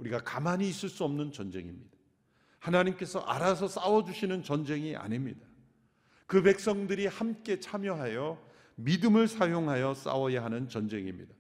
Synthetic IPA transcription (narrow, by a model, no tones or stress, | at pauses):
uɾiɡakamaɲiːs͈ɯɭs͈uʌmnɯnt͡ɕʌnd͡ʑe̞̰ŋimɲid̥ḁ | hanaɲimk͈e̞sʰʌ̰ʔa̰ɾasʰʌs͈awʌd͡ʑuɕʰinɯnt͡ɕʌnd͡ʑe̞ŋiʔa̰ɲimɲida | kɯpe̞k̚s͈ʌŋdɯɾihamk͈e̞t͡ɕʰamjʌɦajʌ | midɯmɯɭsʰajoŋɦajʌs͈a̰wʌjaɦanɯnt͡ɕʌnd͡ʑe̞ŋḭmɲḭda